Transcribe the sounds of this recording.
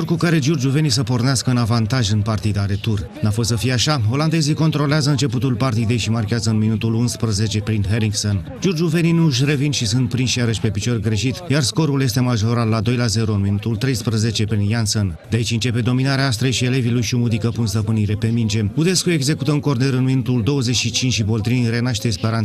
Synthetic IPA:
orkukaɾe̞d͡ʒurd͡ʒuve̞nis̬əpo̞rneaskəɨnavant̪aʒɨnpart̪id̪aɾe̞t̪ur | nafo̞st̪səfijeaʃaɦo̞land̪e̞ziko̞nt̪ɾo̞leazəɨnt͡ʃe̞put̪ulpart̪id̪e̞jʃimarkʲeazəɨnminut̪ulunspɾəze̞t͡ʃe̞pɾinɦe̞ɾiŋɡson | d͡ʒurd͡ʒuve̞ninuʃ̬re̞vinʃisɨnt̪̚pɾinʃijaɾəʃʲpe̞pit͡ʃo̞rʲɡɾe̞ʃit̪jarsko̞ɾulje̞st̪e̞maʒo̞ɾat̪lad̪o̞jlaze̞ɾoɨnminut̪ult̪ɾe̞jspɾəze̞t͡ʃe̞pɾinjansond̪eait͡ʃʲɨnt͡ʃe̞pe̞d̪o̞minaɾeaas̬t̪ɾejʃiele̞vilujʃiomud̪ikəpunst̪əpɨniɾe̞pe̞mind͡ʒe̞ud̪e̞skue̞ɡze̞kut̪əɨŋko̞rne̞ɾɨnminut̪uld̪o̞wəze̞t͡ʃʃit͡ʃint͡ʃʃibo̞lt̪ɾinʲre̞naʃt̪e̞spe̞ɾan

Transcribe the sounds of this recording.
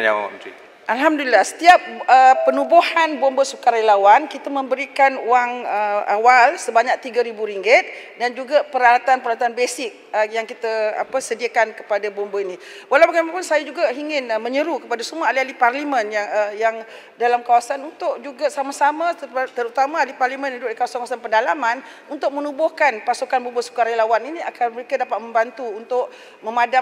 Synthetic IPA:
a̰əi | ʔalɦamdulilasə̥t̪iap̚əːənubohanbɔmbəsukaɾajlawankit̪amə̃mbəɾikanwaŋəa̰walsəbaɲak̚t̪iɡaɾibuɾiŋɡɪt̪̚dand͡ʒuɡapəɾalat̪anpəɾalat̪anbesɪk̚əjaŋkit̪aa̰pəsədiakankə̥padabɔmbəinĩ | walawpəɡamapunsajad͡ʒuɡaɦiŋɪnmə̃ɲəɾukəpadasəmalialiparlimə̃njaŋəjaŋ | dalamkawasanunt̪ʊʔd͡ʒuɡasamasamat̪əɾut̪amaːliparlimə̃nad͡ʒuɡdikawasankawasanpəndalaman | unt̪ʊk̚mənubʊhkanpasukanbumbəsu̥kaɾajlawaninĩakarməɾekadapat̪̚mə̃mbant̪uunt̪ʊʔ | mə̃mada

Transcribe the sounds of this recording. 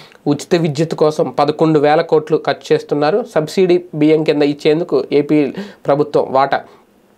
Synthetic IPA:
ut͡ʃi̥t̪ɐʋid͡ʒ̪jɐt̪u̥kɔːsɐmpɐd̪ɐkoɳɖuʋɛːlɐko̞ːʈlukɐt͡ʃːu̥t͡ʃe̞ːst̪unːaːɾusɐbsiːɖibiːjemkind̪ɐit͡ʃːe̞ːnd̪ukueːpiːpɾɐbʱut̪ʋɐ̰mʋaːʈɐ̰

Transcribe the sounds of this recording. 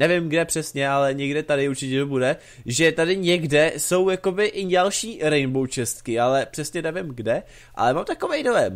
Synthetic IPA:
nɛvɪmɡdɛpr̥ɛsɲɛalɛɲɛɡdɛt̪adɪuɾt͡ʃɪcɛt̪obudɛ | ʒɛt̪adɪɲɛɡdɛso̞wjako̞bɪʔɪɲalʃiːɾɛjnbowt͡ʃɛst̪kɪalɛpr̝̥ɛsɲɛnɛvɪmɡdɛ | ʔa̰lɛmamt̪ako̞vɛjdojɛm

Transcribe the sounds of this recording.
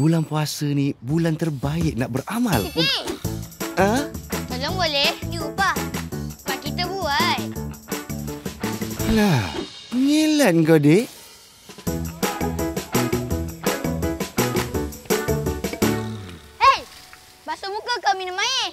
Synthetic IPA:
bulanpuasənibulant̪ərbaɪʔ̚naʔ̚bəramal | əmaloŋbolɛhdiuba | makit̪əbuaj | la | ŋilat̪̚ŋkode | ej | basomukəkaminəmaje

